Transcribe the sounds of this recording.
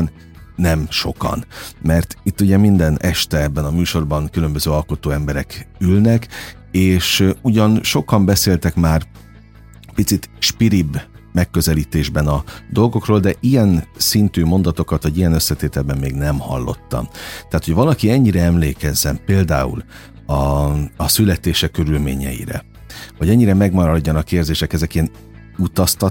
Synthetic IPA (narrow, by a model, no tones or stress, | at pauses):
nː | ɛmʃo̞̰kɒ̰nmɛrt̪it̪ːuɟɛmind̪ɛnɛʃt̪ɛɛbːɛnɒmyːʃo̞rbɒŋkylø̞mbøzøːɒlko̞t̪oːɛmbɛɾɛkylnɛk | eːʃuɟɒnʃo̞kɒmbɛseːlt̪ɛkmaːr | pit̪sit̪ʃpiɾibː | mɛkːø̞zɛliːt̪eːʒbɛnɒd̪o̞lɡo̞kroːld̪ɛʔijɛnsint̪yːmo̞nd̪ɒt̪o̞kɒt̪ʋɒɟijɛnø̞sːɛt̪eːt̪ɛlbɛmːeːɡnɛmhɒ̰lːo̞̰t̪ːɒ̰mt̪ɛɦat̪hocʋɒlɒkiɛɲːiɾɛɛmleːkɛzːɛmpeːld̪aːṵl | ɒː | sylɛt̪eːʃɛkːøɾylmḛːɲɛ̰jḭɾɛ̰ | vɒɟɛɲːiɾɛmɛɡmɒɾɒɟːɒnɒkːeːrzeːʃɛkɛzɛkiɛn | ut̪ɒst̪ɒ